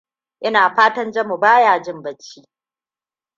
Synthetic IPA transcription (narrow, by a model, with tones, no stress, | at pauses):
ʔɪ˦naː˨ɸaː˦tɐ˦nd͡ʒɐ˦mu˨baː˦jaː˨d͡ʒɪ˦mbɐ˦t͡ʃːiː˦